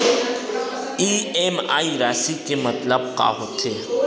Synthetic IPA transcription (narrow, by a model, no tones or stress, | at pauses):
ieːma̰ːiɾaːsikemɐt̪ləb̚ka̰ːɦot̪ʰeː